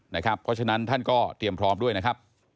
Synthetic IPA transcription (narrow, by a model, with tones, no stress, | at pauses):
na˦˥˩kʰɾa˦˥pʰːɔ˦˥t͡ɕʰa˧na˦˥nt̪ʰa˥˩nkɔː˥˩t̪ɾi˨˩əmpʰɾɔː˦˥mdu˥˩əjna˦˥kʰa˦˥p̚